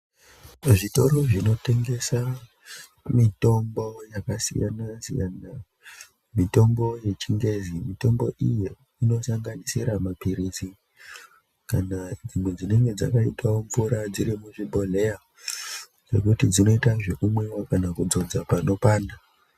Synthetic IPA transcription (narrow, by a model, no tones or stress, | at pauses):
ʐito̞ɾo̞ʐino̞te̞ŋɡe̞sa | mito̞mbo̞jakasḭja̰nazḭjana | mito̞mbo̞je̞t͡ʃiŋɡe̞zimito̞mbo̞ʔije | ino̞saŋɡanisiɾamapiɾizi | kanad͡zimwe̞d͡zine̞ŋɡe̞d͡za̰kaitawoɱvuɾad͡ziɾimuʐibʱo̞le̞ja | ʐe̞̰kutid͡zino̞itaʐe̞kumwe̞wakanakud͡zo̞d͡zapano̞paːna